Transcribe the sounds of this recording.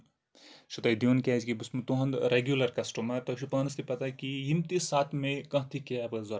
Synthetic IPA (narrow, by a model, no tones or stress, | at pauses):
ʃut̪ɐid̪ionkʲad͡ʒkibɨsmɨt̪uɦɐ̃nd̪ɾeɡjulɐɾkɐsʈɐmɐt̪ɐʃʰupɐːnst̪ʰipɐt̪akijimt̪isaːt̪ʰmẽkɐ̃ɦt̪ʰikeɐbɨzɐɾ